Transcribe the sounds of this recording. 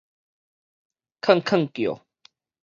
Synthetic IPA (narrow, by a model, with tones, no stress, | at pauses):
kʰə˥˨ŋkʰə˥˨ŋkjo̰˨